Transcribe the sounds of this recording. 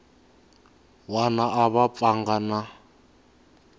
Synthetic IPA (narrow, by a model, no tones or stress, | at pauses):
wanaʔaβap̪faŋɡana